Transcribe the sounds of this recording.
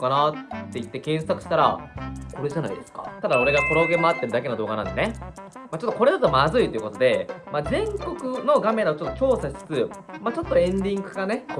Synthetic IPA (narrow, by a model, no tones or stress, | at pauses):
kanat̪ːe̞it̪ːe̞kẽ̞ɰ̃sakɯ̟ɕi̥t̪aɾa̰ko̞ɾe̞ʑana̰id̪e̞sɨ̥ka̰t̪ad̪ao̞ɾe̞ɡakoɾoɡemaat̪ːe̞ɾɯ̟d̪ake̞nod̪o̞ːɡanã̰nd̪e̞ne | mat͡ɕo̞t̪ːo̞ko̞ɾe̞d̪at̪omazɨit̪oiɯ̟ko̞t̪o̞d̪e̞mazẽ̞ŋko̞kɯ̟no̞ɡame̞ɾaot͡ɕo̞t̪ːo̞t͡ɕo̞ːsaɕi̥t͡sɨ̥t͡sɨ | mat͡ɕot̪ːot̪ːoẽ̞nd̪ʲĩŋɡɯ̟ɡane̞